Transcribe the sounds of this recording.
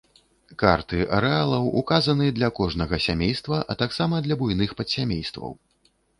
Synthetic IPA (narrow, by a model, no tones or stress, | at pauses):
ka̰rt̪ɨʔɐ̰ɾɛalˠɐwukazɐnɨd̪lʲɐkɔʐnɐɣɐsʲamʲejst̪vɐʔɐt̪aksamɐd̪lʲɐbujnɨxpɐt̪sʲamʲejst̪vɐ̰w